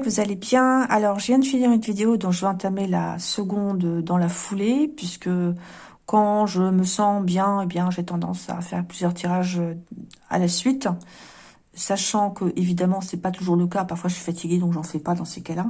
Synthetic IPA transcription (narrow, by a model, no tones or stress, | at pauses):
kvuzalebjɛ̃alɔʁʒəvjɛ̃d̪əfiniʁynvid̪eod̪ɔ̃ʒəvøɛ̃t̪amela̰səɡɔ̃d̪d̪ɑ̃lafulepɥiskə | kɑ̃ʒəməsɑ̃bjɛ̃ebjɛ̃ʒet̪ɑ̃d̪ɑ̰̃sa̰fɛ̰ʁplyzjœʁt̪ʰiʁaʒøa̰lasɥit̪ | saʃɑ̃kəʔevid̪amɑ̃sɛpat̪uʒuʁləkapaʁfwaʒəsɥi̥fat̪ʰiɡʲed̪ɔ̃kʒɑ̃fɛpad̪ɑ̃sekala